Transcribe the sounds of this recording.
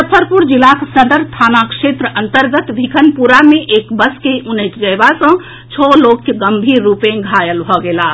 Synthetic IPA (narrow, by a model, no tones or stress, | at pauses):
səpʰəɾpuɾd͡ʒilaksnəd̪əɾt̪ʰanakʂet̪ɾəʔənt̪əɾɡət̪bʱikʰənpuɾameʔekbəskeʔunəjt̪d͡ʒəjbasə̃ | t͡ʃʰɔlokjəɡəmbʱiɾːupẽɡʱajəlbʱɔɡela